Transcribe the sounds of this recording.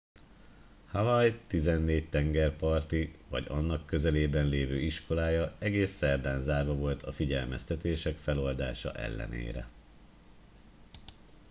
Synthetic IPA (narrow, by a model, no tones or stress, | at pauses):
havɒjt̪izɛnːeːc̚t̪ɛŋɡɛrpɒrt̪ivɒ̰ɟɒnːɒkːø̞zɛleːbɛnleːvøːiʃko̞laːjɒɛɡeːsːɛrd̪aːnzaːrvɒvo̞lt̪ʰɒfiɟɛlmɛst̪ɛt̪eːʃɛkfɛlo̞ld̪aːʃɒ̰ʔɛ̰lːɛ̰nḛːɾɛ̰